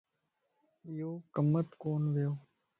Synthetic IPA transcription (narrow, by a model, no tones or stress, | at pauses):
ɪjoːkəmət̪koːnʋɪjoː